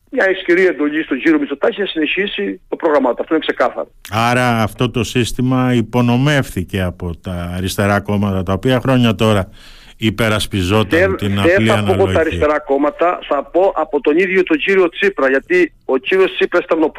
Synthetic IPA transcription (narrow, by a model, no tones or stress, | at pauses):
mɲɐesciɾie̞nd̪o̞ʎist̪o̞ɟiɾio̞misot̪ɐçinɐsine̞çisit̪o̞pɾoɣɾɐmɐt̪oɐft̪oinekse̞kɐθɐ̰ɾoɐɾɐːft̪o̞t̪o̞sist̪imɐipo̞no̞me̞fθice̞ɐpo̞t̪ɐːɾist̪e̞ɾɐko̞mɐt̪ɐt̪ɐopiɐxɾo̞ɲɐt̪o̞ɾɐ | ipe̞ɾɐspizo̞tt̪ɐent̪inɐeliɐɐnolpooɐɾisst̪e̞ɾɐko̞mɐt̪ɐθɐpo̞ʔɐpot̪o̞niðʝo̞t̪o̞ɲɟiɾio̞t͡sipɾɐʝɐt̪i | o̞ciɾio̞st͡sipɾɐst̪eɾnop